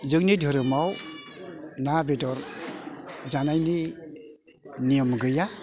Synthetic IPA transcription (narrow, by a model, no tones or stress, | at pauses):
zɯk̚nidʱɔɾɯmaw | nabedɔɾ | d͡ʒanajni | nijɔmɡɯja